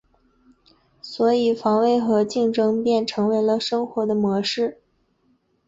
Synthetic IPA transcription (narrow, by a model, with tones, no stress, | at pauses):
swɔ˧˥i˨˩fɑ˧˥ŋwe˥˩ɪxɤ˧˥t͡ɕi˥˩ŋʈ͡ʂɤ˥ŋpjɛ˥˩nʈ͡ʂʰɤ˧˥ŋwe˧˥ɪlə˧ʂɤ˥ŋxwɔ˧˥d̪ə˧mwɔ˧˥ʂɻ̩˥˩